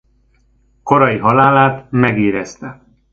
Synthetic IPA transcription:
ko̞ɾɒjiɦɒlaːlaːt̪mɛɡiːɾɛst̪ɛ

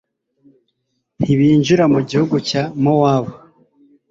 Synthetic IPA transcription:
niβiːɲʒuɾamuɟihuɡucamowaːβo

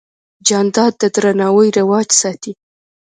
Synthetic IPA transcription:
d͡ʒɑnd̪ɑd̪ːəd̪ɾanɑwəjɾɪwɑd͡ʒsɑt̪i

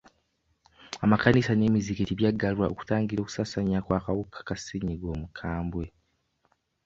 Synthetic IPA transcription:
amakanisane̞ːmiziketiβjaɡːalwaʔo̰ku̥taːŋɡiɾoku̥saːsaɲakwaːkawukʰḁkasiɲiɡo̞ːmukʰaːmbwe̞

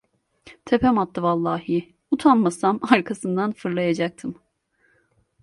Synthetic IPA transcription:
t̪ʰepɛmat̪ːɯvalˠːaːɦɯ | ut̪ʰanmasamaɾkʰasɯnd̪anfɯɾlˠajad͡ʒak̚t̪ʰɯm

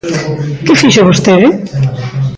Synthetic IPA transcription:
kɪfiʃoβost̪eðɪ

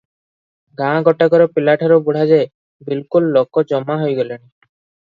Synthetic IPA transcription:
ɡãɽ̃ɡɔʈaɡɔɾɔpilaʈʰɔɾobuɽ̤ad͡ʒe | bilkulːokɔd͡ʒɔmːaɦojɡɔleñi

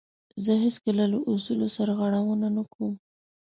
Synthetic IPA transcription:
zəɦɪskəlalaʔʊsulosaɾɣaɽawənanakum

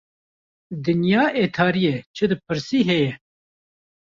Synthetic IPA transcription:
d̪ɨnjɑːʔeːt̪ʰɑːɾijɛt͡ʃʰɨd̪ɨpʰɨɾsiːɦɛjɛ

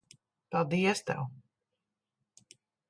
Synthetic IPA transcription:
palˠd̪iɛst̪ɛ̰w

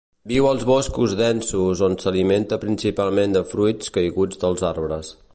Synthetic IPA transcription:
biwəlˠzβɔskuzðɛnsuzonsəliment̪əpɾinsipalˠmend̪əfɾujt͡skəjɣud͡zd̪əlˠzarβɾəs

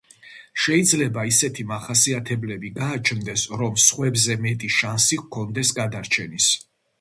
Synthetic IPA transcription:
ʃɛid̪zlɛbaisɛt̪ʰimaχasiat̪ʰɛblɛbiɡaːt͡ʃʰnd̪ɛsɾɔmsχwɛbzɛmɛt̪ʼiʃansikʰɔnd̪ɛsɡad̪aɾt͡ʃʰɛnis

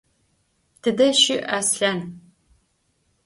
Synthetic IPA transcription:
tʰɨdɐʃɪʔaːsɬɐn

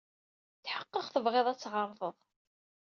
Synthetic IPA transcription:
θħəqːəχθəvʁeðˤæt͡sːʁəɾˤfəðˤ

